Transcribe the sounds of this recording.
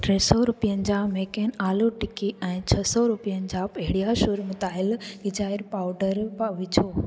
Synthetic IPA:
ʈɾeːsɔɾʊpijənɪ̆d͡ʑameːkeːnaːluʈɪkiɛ̃ːt͡ɕʰɐsɔɾʊpijənd͡ʑaːpɐɦɪɽijaʃʊɾmʊt̪aːɪlɡɪd͡ʑaːɪɾpaːʊɖəɾʋɪt͡ɕʰoː

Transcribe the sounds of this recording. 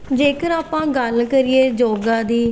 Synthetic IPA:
d͡ʒeːkəɾaːpãːɡəlkəɾɪeːd͡ʒoːɡãːd̪iː

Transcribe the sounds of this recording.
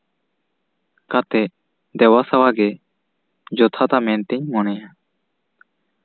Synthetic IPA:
kat̪ɛ | d̪ɛwasawaɡɛ | d͡ʒɔt̪ʰat̪amɛ̃nt̪ɛɲmɔnɛja

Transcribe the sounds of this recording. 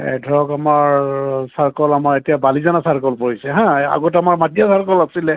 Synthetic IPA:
ɛ̰dʱɔɹɔkamaɹsaɹkɔlamaɹetijabalizanasaɹkɔlpoɹisɛɦãa̰ɡɔtamaɹmatijasaɹkɔlasilɛ

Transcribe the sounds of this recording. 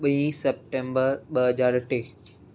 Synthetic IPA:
ɓəĩsɛp̚ʈẽːmbəɾɓəɦəd͡ʑaːɾʈeː

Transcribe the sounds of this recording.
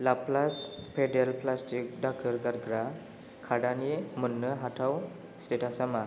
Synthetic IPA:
laplaspʰedelplastik̚dak̚ɯɾɡaɾɡɾa | kʰadanimunːɯɦatʰaw | stetasama

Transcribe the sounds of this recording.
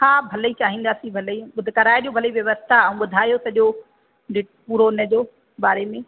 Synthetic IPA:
hãːbʱɐləit͡ɕaːɦĩːn̆d̪aːsĩbʱɐliɓʊd̪ʱɪkɐɾaːeɗijõbʱɐliʋjɐʋəst̪ʰaɐ̃ũɓʊd̪ʱaːijosɐʄo | d͡ʑɪʈpuːɾoɪnəd͡ʑoː | ɓaːɾemẽ

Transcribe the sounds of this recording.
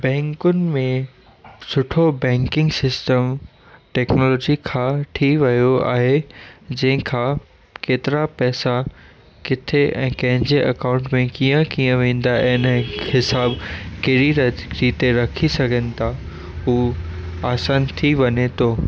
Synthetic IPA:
bɛ̃ːŋkʊnɪ̆mẽ | sʊʈʰobɛ̃ːŋkɪ̃ŋɡsɪsʈəm | ʈɛːknɔːlɔːd͡ʑikʰãʈʰiʋɐjoa̰ːɦed͡ʑɐ̃ɦɪ̃kʰãː | keːt̪ɪɾapɛːsa | kɪt̪ʰeɛ̃ːkɐ̃ɦɪ̃ɲd͡ʑeʔɐkãːʊ̃ɳʈmẽkiːə̃kiːə̃ʋẽːn̆d̪aʔɪnhɪsaːbkɐɾiɾɐɾiːt̪eɾɐkʰisɐɡʱənɪ̆t̪ʰa | ɦuː | aːsaːnt̪ʰiʋɐɲet̪ʰoː

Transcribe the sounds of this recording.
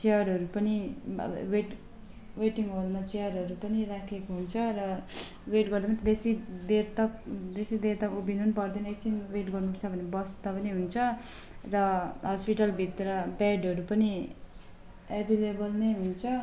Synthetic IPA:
t͡seʌɾʌɾupʌnḭ | weʈ | weʈiŋɦolmat͡seʌɾɦʌɾupʌnirakʰekoɦunt͡sʰʌrʌweʈɡʌrd̪emant̪d̪esid̪ert̪ʌkd̪esid̪ert̪ʌkubʱinunpʌrd̪ʌnekt͡sʰinweʈɡʌrnupʌt͡sʰʌbʱʌnebʌst̪ʌpʌniɦunt͡sʰʌ | rʌɦʌspiʈʌlbʱit̪rʌbɛɖʌɾupʌni | ebʱilebʌlnʌjɦunt͡sʰʌ

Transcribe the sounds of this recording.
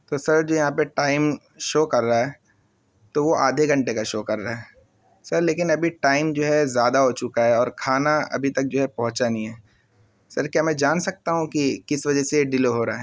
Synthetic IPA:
t̪oːsɐɾd͡ʒoːjɐɦãpeʈaːɪm | ʃoːkɐɾːaaɦɛː | t̪oʋoa̰ːd̪ʱeɡʱɐ̃ɳʈekaʃoːkɐɾːaːɦɛː | sɐɾleːk̬ɪnɐbʱiʈaːɪmd͡ʒoːɦɛzjaːd̪aɦot͡ʃʊkaɦɛɔːɾkʰaːnaɐ̰bʱit̪ɐk̚d͡ʒoːɦɛpɐɦʊ̃t͡ʃaːnĩɦɛː | sɐɾkjaːmɛ̃ːd͡ʒaːnsɐk̚t̪aɦũkikɪsʋɐd͡ʒɛseɖɪloɦoːɾaɦɛː

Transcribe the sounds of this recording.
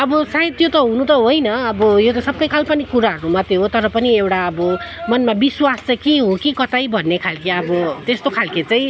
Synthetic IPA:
ʌbʌsait̪jot̪ʌɦũnut̪ʌɦojnʌʌbʌjot̪ʌsʌbːʌjkʰalpʌnikuɾaɦʌɾumʌt̪eɦot̪ʌɾʌpʌniewʈaʌbʌmʌnmabiswast͡sakeɦokikʌt̪ajbʱʌnːekʰalkeʌbʌt̪est̪okʰalket͡saĩ

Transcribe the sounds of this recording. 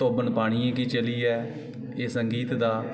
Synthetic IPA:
oːbənpaːɽ̃iẽːk̬it͡ʃəliːɛː | esəŋɡiːt̪d̪aː

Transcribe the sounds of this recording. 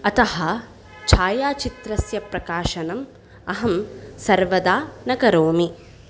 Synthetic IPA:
ɐt̪ɐɦɐ̆ | t͡ʃʰaːjaːt͡ʃit̪ɾɐsjɐpɾɐkaːʃɐnɐm | ɐɦɐmsɐɾʋɐd̪aːnɐɡɐɾoːmi

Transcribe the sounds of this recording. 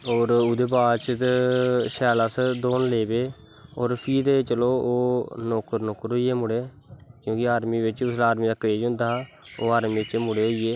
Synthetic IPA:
oːɾʊd̪eːbaːt͡ʃt̪ʃɛːlaːsd̪oːnleːbeː | oːɾpʰiːd̪eːt͡ʃəloːoːnoːkəɾnoːkəɾɦoːiːeːmʊɽeː | kjõːkɪaːɾmiːʋɪt͡ʃʊslaːɾmiːd̪aːkɾeːd͡ʒɦʊ̃nd̪aːoːaːɾmiːt͡ʃmʊɽeːɦoːieː

